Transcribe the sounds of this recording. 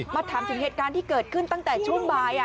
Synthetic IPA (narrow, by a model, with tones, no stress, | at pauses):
maː˧t̪ʰaː˩˦mt̪ɯ˨˩˦ŋɦeː˨˩t̪kaː˧nt̪ʰiː˥˩kɤː˨˩t̪̚kʰɯ˥˩nt̪a˥˩ŋt̪ɛː˨˩t͡ɕʰu˥˩əŋbaː˧j